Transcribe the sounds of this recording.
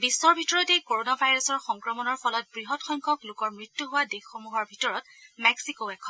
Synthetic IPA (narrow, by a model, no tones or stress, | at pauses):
bisːɔɹbʱitɔɹɔtejkoɹonabʱajɹɔsɔɹxɔŋkɹɔmɔnɔɹpɔlɔt̚bɹiɦɔtxɔŋkʰɔklʊkɔɹmɹitːuɦʊwadexːomuɦɔɹbʱitɔɹɔt | mɛksikoɛkʰɔn